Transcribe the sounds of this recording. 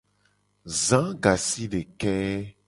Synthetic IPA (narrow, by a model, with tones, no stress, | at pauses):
zã˦ɡa˨si˦ɖe˨kɛ˦